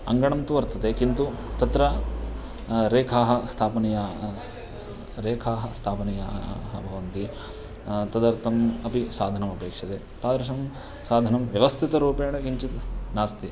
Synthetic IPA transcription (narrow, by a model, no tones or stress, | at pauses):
ɐ̰ŋɡɐɳɐmt̪uʋɐɾt̪ʰɐt̪ekint̪u | t̪ɐt̪ɾɐ | ɾeːkʰaːɦɐst̪ʰaːpɐnijaː | ɾeːkʰaːɦɐst̪ʰaːpɐnija̰ɦɐbʱɐʋɐnt̪i | t̪ɐd̪ɐɾt̪ɐmɐpisaːd̪ʱɐnɐmɐpeːkʂjɐt̪e | t̪aːd̪ɾɐʃɐm | saːd̪ʱɐnɐmʋjɐʋɐst̪ʰit̪ɐɾuːpeːɳɐɡiɲt͡ʃit̪naːst̪i